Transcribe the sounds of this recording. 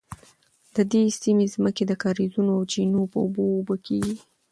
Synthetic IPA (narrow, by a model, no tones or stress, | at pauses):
d̪̥əd̪esimezməked̪əkɑɾizunoawd͡ʒinopəubobəkʰeɡi